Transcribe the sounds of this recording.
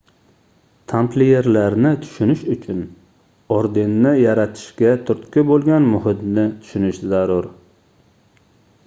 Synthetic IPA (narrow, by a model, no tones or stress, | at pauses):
t̪ʰampleje̞ɾlaɾnɪt̪ʰʊ̥ʃʊnɪʃʊt͡ʃʰʊn | ɒɾd̪ɪnːɪjaɾat̪ʰɪ̥ʃkʲat̪ʰʊɾt̪kʲʰɪbolˠɡʲanmʊɦɪt̪nɪt̪ʰʊ̥ʃʊnɪʃzaɾʊɾ